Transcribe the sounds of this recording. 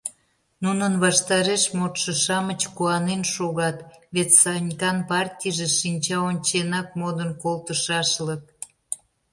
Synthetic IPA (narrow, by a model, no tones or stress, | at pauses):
nunənβɑʃt̪ɑɾeʃmot̪ʃəʃɑmət͡ɕkuɑnenʃoɣɑt̪βet̪sɑnʲikɑnpɑrtʲijʒeʃinʲt͡ɕɑonʲt͡ɕenɑk̚mod̪ənkolˠt̪əʃɑʃlək̚